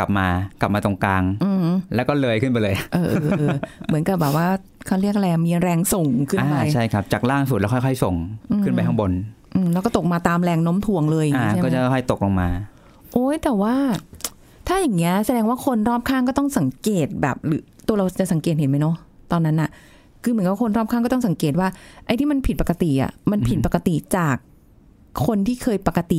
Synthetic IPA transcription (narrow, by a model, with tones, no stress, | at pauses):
ka˨˩p̚maː˧kla˨˩p̚maː˧t̪o˧ŋkaː˧ŋʔɯː˧lɛː˦˥wkɔː˥˩lɤː˧jkʰɯ˥˩npa˧jlɤː˧jʔɤː˧ʔːʔːmɯ˩˦nka˨˩p̚bɛː˨˩p̚waː˥˩ | kʰa˧˥˩ɾi˥˩ək̚lɛ˧miː˧ɾɛː˧ŋso˨˩ŋkʰɯ˥˩anː˧pa˧jt͡ɕʰa˥˩jkʰa˦˥p̚t͡ɕaː˨˩k̚laː˥˩ŋsu˨˩t̪̚ɛ˦˥kʰjkʰɔ˥˩jso˨˩ŋʔɯkʰɯ˥˩npa˧jt̪ʰa˦˥ŋbo˧nʔɯː˧˩lɛ˦˥wkɔː˥˩t̪o˨˩k̚maː˧t̪aː˧mɾɛː˧ŋno˦˥mt̪ʰu˧˩əŋlɤː˧jʔaː˧˨kːɔː˥˩˦t͡ɕa˨˩kʰɔ˥˩kʰɔ˥˩jt̪o˨˩k̚lo˧ŋmaː˧ | ʔoː˦˥jt̪ɛː˨˩waː˥˩ | t̪ʰaː˥˩jaː˨˩ŋːi˦˥ɐsa˧dɛː˧ŋwaː˥˩kʰo˧nɾɔː˥˩p̚kʰaː˥˩ŋkɔ˥˩t̪ɔ˥˩ŋsa˩˦ŋkeː˨˩t̪̚bɛ̰ː˨˩p̚ɾɯː˩˦t̪u˧ɾa˧wt͡ɕa˨˩sa˩˦ŋkeː˨˩t̪̚ɦe˩˦ma˦˥jnɔ˦˥ | t̪ɔː˧nːa˦˥nːʔa˨˩ʔ | kʰɯː˧mɯ˩˦kɔ˦˥˩o˧nɾɔː˥˩p̚kʰa˥˩kɔː˥˩t̪ɔ˥˩sa˩˦ŋkeː˨˩t̪̚waː˥˩ʔa˧jt̪ʰiː˥˩ma˧npʰi˨˩t̪̚pa˨˩ka˧t̪i˨˩ʔa̰˨˩ma˧npʰi˨˩t̪̚pa˨˩ka˧t̪i˨˩t͡ɕaː˨˩kʰː | o˧nt̪ʰiː˥˩kʰɤː˧jpa˨˩ka˧t̪i˨˩